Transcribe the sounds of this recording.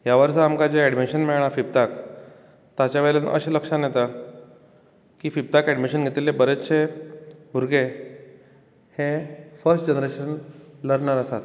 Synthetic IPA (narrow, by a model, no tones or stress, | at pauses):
jaʋəɾsəamkad͡ʑeɛɽmiɕənmiɭɽ̃afip̚t̪ak | t̪at͡ɕjaʋelenʔə̰ɕeləkʂanjet̪a | kiːfip̚t̪akɛɖmiɕənɡʱet̪ilebəɾet͡sɕe | bʱuɾɡe | hefəɾsʈd͡ʑənɾeɕənləɽɳaɾəsat̪